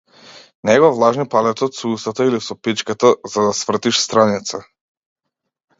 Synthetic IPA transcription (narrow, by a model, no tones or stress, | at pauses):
nɛɡɔvlˠaʒnipalɛt̪ɔt̪sɔust̪at̪ailisɔpit͡ʃkat̪azad̪asvr̩t̪iʃst̪ɾanit̪sa